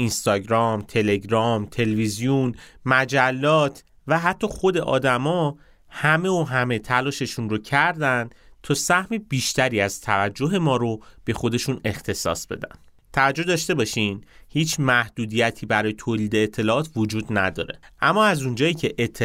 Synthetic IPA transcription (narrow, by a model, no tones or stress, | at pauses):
ʔinst̪ɒːɟɾɒːmt̪ʰe̞le̞ɡɾɒmt̪ʰe̞levizijunmæd͡ʒælːɒːt̪ʰ | væɦæt̪ʰːɒːxo̞d̪e̞ʔɒ̰ːd̪æmɒ | hæme̞oɦæme̞t̪ʰælɒːʃe̞ʃunɾocʰæɾd̪ænd̪t̪ʰɒːsæhmib̥iːʃt̪æɾiːæzt̪ʰævæd͡ʒːo̞ɦe̞mɒːɾo̞b̥e̞xo̞d̪e̞ʃune̞xt̪ʰe̞sɒ̰ːsb̥e̞̰d̪æ̰nd̪ | t̪ʰævæd͡ʒːo̞hd̪ɒːʃt̪e̞bɒːʃinhiːt͡ʃʰmæhd̪̥uːd̪ijæt̪ʰiːbæɾɒːjet̪ʰoːliːd̪e̞ːt̪ʰːe̞lɒɒːt̪ʰvod͡ʒuːd̪næ̰d̪ɒ̰ːɾe̞̰ʔæmːɒːæzund͡ʒɒːjiːcʰe̞ʔet̪ʰː